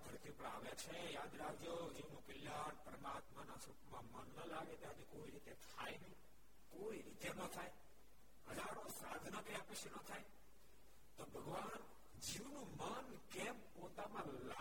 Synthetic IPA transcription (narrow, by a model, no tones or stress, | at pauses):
d̪ʱəɾt̪ipəɽa̰ːʋat͡ʃʰejad̪ɾakʰd͡ʒod͡ʒiʋnũkəljaɾpəɾəmaːt̪manasuʈmãmənːəlaɡet̪eɦəd͡ʒekoiɾit̪et̪ʰajnəɦĩ | koiɾit̪enət̪ʰaj | ɦəd͡ʒaɾõsad͡ʒnəkəjapəʃenət̪ʰaj | t̪obʱəɡʋan | d͡ʒiʋnũmən | kɛmpot̪amãla